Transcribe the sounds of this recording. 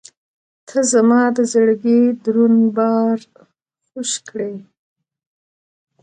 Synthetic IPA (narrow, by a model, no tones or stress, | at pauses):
t̪ʰəzamɑd̪əzəɽɡid̪ɾunbɑɾ | xuʃkɽej